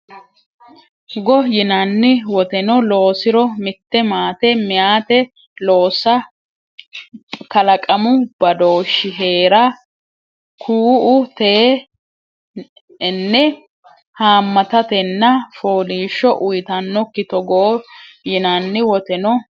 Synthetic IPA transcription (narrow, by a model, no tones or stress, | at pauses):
ɡɔjɪnɐnːɪwɔt̪ɛnɔlo̞ːsɪɾɔmɪt̪ːɛmaːt̪ɛmɪjaːt̪ɛ | lo̞ːsːɐ | kɐlɐkʼɐmʊb̥ɐd̪o̞ːʃːɪɦe̞ːɾɐ | kʰuːʔʊt̪eː | nːɛ | haːmːɐt̪ɐt̪ɛnːɐfoːliːʃːɔʔʊjt̪ɐnːɔkːɪt̪ɔɡɔː | jɪnɐnːɪwɔt̪ɛnɔ